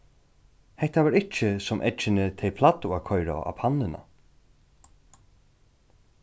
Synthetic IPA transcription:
hɛht̪avaɾɪcɪsɔmʔɛ̰t͡ʃɪnɪt̪ʰɛjpʰlat̪ʊakʰɔjɾa̰a̰pʰanːɪna̰

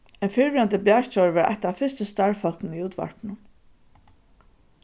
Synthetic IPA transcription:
ɛjnfɪɹvɪant̪əblaːʃtɔɹʋɛɹʔa̰jht̪afɪst̪əst̪aɹfɔl̥knɪniuːt̪ʋa̰ɹpnʊm

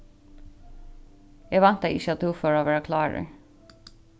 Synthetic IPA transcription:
jeʋɑnt̪ɑɪ̰çəɑt̪̚d̪uːføːɹoːʋæːɹɑkʰlɑːɾə̰

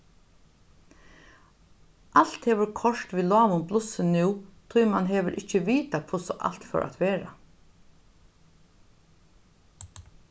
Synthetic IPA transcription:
ʔal̥t̪hɛːʋʏɾkʰɔʂt̪ʋiːlɔːʋʊmplʊsənʉwt̪ʰʊjmanɦɛːʋəɾʔɪcːəʋiːt̪akʰʊsɔʔa̰lt̪fœ̰ɹʔa̰t̪ʋeːɾa̰

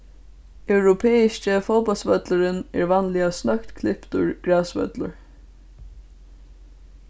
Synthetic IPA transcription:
œwɾʊpʰɛːɪʃt͡ʃəfɔːpalsvœt̪lʊɾɪnɛɹʋanlɪasnœkt̪kʰlɪpt̪ʊɹɡ̥ɹaːsvœ̰t̪lʊ̰ɹ

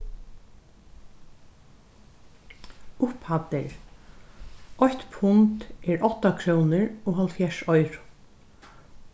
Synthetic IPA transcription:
ʊphat̪ɪɹ | ɔçt̪pʰʊnt̪ʔɛɹɔht̪akʰɾownɪɹɔːɦɔlt̪fjɛʃɔjɾʊ̥

